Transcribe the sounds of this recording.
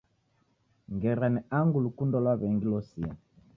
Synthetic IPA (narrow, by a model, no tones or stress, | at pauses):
ŋɡɛɾanɛaŋɡulukundɔlwaβɛŋɡilɔsia̰